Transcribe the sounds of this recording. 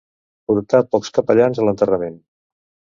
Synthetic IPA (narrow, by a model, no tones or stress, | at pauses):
puɾt̪apɔkskəpəʎanzələnt̪ərəmen